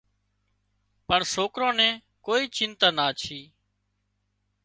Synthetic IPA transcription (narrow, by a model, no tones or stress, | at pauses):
pəɳsoːkɾõːnɛ̃ː | koːiːt͡ʃɪnt̪aːnaːt͡ʃʰiː